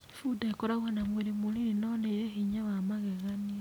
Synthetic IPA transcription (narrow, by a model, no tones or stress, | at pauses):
fudaekoɾaɣuhanamweɾemuliɾinoneiɾehiɲawamaɣeɣanie